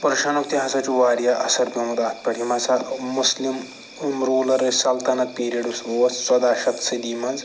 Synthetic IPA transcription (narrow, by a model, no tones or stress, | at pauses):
pɾɐʃɐnukt̪iɦɐsɐt͡ʃuʋaːɾijaʔɐsɐɾbimɐd̪aːt̪̚ʰpɐɽimɐsɐmuslim | mɾoːlɐɾɐsɐlt̪ɐnɐt̪̚piːɾijɐɖusoɐssɐd̪aːʃɐt̪sɐd̪iːmɐnz